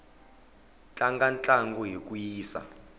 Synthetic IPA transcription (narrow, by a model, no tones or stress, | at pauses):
t͡ɬʼaŋɡant͡ɬʼaŋɡɔɦik̬ʼujiːsa̰